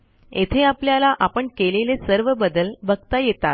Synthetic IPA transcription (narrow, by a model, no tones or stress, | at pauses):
ḛt̪ʰeapljalaʔapəɳkelelesəɾʋəbəd̪əlbʱəɡt̪ajet̪a̰t̪